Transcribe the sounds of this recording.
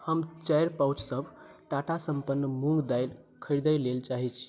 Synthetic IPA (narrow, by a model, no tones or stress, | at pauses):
həmt͡ʃajɾpawt͡ʃsəbʱʈaʈasəmpənːmuŋɡd̪ajl | kʰəɾd̪əjlelt͡ʃaɦit͡ʃʰ